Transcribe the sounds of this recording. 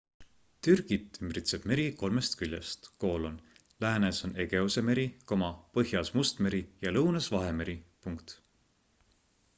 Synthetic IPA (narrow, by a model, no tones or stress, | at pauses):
t̪yrɡ̥it̪ːˑymrit̪seb̥me̞ɾiko̞lme̞st̪kylʲjḛst̪ko̞ːlon | læːneso̞ne̞ɡe̞use̞me̞ɾiko̞mɑpɤɦjɑsmust̪me̞ɾijɑlɤwnɑsvɑɦe̞me̞ɾipuŋkt̪